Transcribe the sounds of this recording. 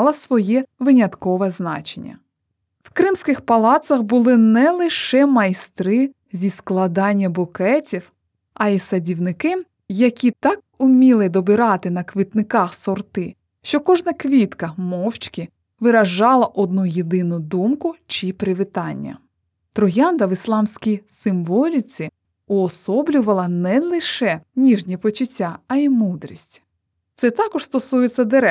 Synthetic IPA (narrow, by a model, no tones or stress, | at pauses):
lˠɐsʋɔjɛʋɪnʲɐt̪kɔʋɛznɑ̰t͡ʃenʲːɐ̰ | wkɾɪmsʲkɪxpɐlˠɑt̪sɐxbʊlˠɪnɛlˠɪʃɛmɐjst̪ɾɪ | zʲisklˠɐd̪ɑnʲːɐbʊkɛtʲiw | ɐisɐdʲiwnɪkɪ | jɐkʲit̪ɑk̚ | ʊmʲilˠɪd̪ɔbɪɾɑt̪ɪnɐkʋɪt̪nɪkɑxsɔrt̪ɪ | ʃt͡ʃɔkɔʒnɐkʋʲit̪kɐmɔwt͡ʃkʲɪ | ʋɪɾɐʒɑlˠɐʔɔd̪nujed̪ɪnʊd̪umkʊt͡ʃipɾɪʋɪt̪ɑnʲːɐ̰ | t̪ɾɔjɑnd̪ɐʋɪslˠɑmsʲkʲijsɪmʋɔlʲit͡sʲi | ʊɔsɔblʲʊʋɐlˠɐnɛlˠɪʃɛnʲiʒnʲipɔt͡ʃʊtʲːaɐimud̪ɾʲisʲtʲ | t̪sɛt̪ɑkɔʒ̥st̪ɔsujet͡sʲːɐd̪eɾɛ